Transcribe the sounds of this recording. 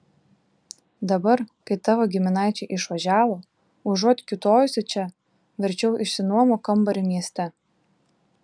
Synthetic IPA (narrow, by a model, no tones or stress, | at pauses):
d̪ɐbɐɾkɐɪt̪ɑʋoɡʲɪmʲɪnɑˑɪt͡ʃʲɛɪʔɪʃʋɐʒʲæːʋoː | ʊʒuɔt̪ʲkʲɪt̪oːjʊsʲɛt͡ʃʲɛ | ʋʲɛɾʲt͡ʃʲɛʊʔɪʃsʲɪnuɔmokɐmbɐɾʲɪmʲiɛsʲt̪ʲɛ